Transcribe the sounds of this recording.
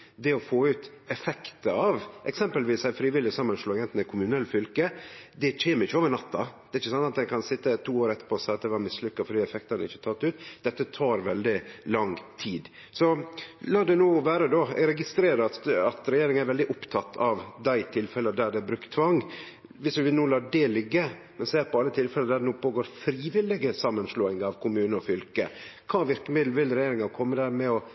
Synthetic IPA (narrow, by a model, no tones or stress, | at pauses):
d̪ɛɔfoːʉːt̪ | ɛfɛkt̪əɑʋʔɛ̰ksɛmpəlʋiːsæɪfɾiːʋɪlːɪsɑmːənʂloːɡɛnt̪nɛkʰʊmʉnɛlːfʏlkəd̪ɛt͡ʃʰeːməɾɪçːəoːʋəɾɳɑt̪ːɑd̪ɛːɾɪçːəsɑnt̪ɑt̪̚d̪æɪkʰɑnsɪt̪ːət̪ʰuːoːɾɛt̪ːə̥ɾpʰɔsɑɑt̪d̪ɛʋɑɾmɪslʏkːɑfɔɖiːɛfɛk̚t̪ɑnɪçːət̪ʰɑt̪ːʉːt̪d̪̥ɛt̪ːət̪ʰɑːɾʋɛld̪ɪlɑŋt̪ʰiːd̪ | sɔlɑːd̪ɛnuːʋæːɾəd̪ɔɾɛɡɪst̪ɾeːɾɑt̪ɑt̪ɾɛjeːɾɪŋæɾʋɛld̪ɪʔʊpt̪ʰɑt̪ʰːɑʋd̪æɪt̪ʰɪlfɛləd̪æɖ̪ɛbɾʉkt̪ʰːʋɑŋː | ʋɪsʉʋ̪nuːlɑːɖɛlʏɡːə | mɛnseːɾpʰɔɑlːət̪ʰɪlfɛləd̪æɖɛnuːpʰoːɡoːɾfɾiːʋɪlɪɡəsɑmːənsloːɪŋɑʋkʰʊmʉːnəɔfʏlkəkʰɑːʋɪɾkəmɪd̪l̩ʋɪlɾɛjeːɾɪŋɑkʰɔmːəd̪æːɾmɛɔ